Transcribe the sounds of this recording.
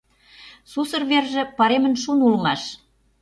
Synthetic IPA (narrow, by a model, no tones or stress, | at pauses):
susɤ̆rβerʒĕpɑɾemə̆nʃunulmɑʃ